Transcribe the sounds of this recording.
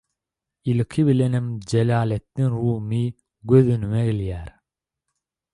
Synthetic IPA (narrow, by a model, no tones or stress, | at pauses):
ilkʰiβilenemd͡ʒelɑːlet̪ːiŋɾuːmi | ɡøðynymeɡiljæːɾ